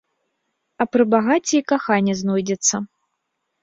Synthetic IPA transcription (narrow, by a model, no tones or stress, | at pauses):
ɐpɾɨbaɣat͡sʲɛikaxanʲːɛznɔjd͡zʲɛt̪sːɐ